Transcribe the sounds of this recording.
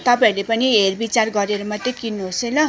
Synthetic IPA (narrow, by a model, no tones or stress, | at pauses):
t̪ʌpãĩlepʌniɦerbit͡sarɡʌɾeɾʌmʌt̪ːekinːuɦosejlʌ